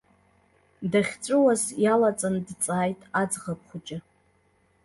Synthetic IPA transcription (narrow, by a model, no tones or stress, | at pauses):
daχʲt͡ʃʷʼʊwazjalat͡sʼandt͡sʼaːjtʼad͡zʁap̚ʰχʷʊt͡ʃʼɪ